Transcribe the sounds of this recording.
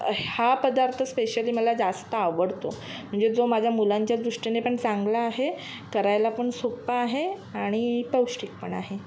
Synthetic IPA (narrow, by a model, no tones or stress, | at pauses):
hapəd̪aɾt̪ʰəspeɕəliːməlad͡zast̪əaʋəɽt̪o̰ | m̤əɳd͡zed͡zomad͡ʑʱjamulaɲt͡ɕjad͡z̪ɾuʂʈinepəɳt͡saŋɡlaːɦe | kəɾajlapəɳsopːaːɦeaɽ̃ipəwɕʈik̚pəɳa̰ɦe